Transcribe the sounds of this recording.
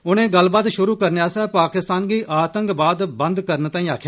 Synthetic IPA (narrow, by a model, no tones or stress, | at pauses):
ʊnẽːɡəlbaːd̪ʃʊɾuːkəɾneaːsɛːpaːkɪst̪aːnɡiːʔaːt̪ə̃ŋkbaːd̪bənd̪kəɾnt̪aːĩːaːkʰjaː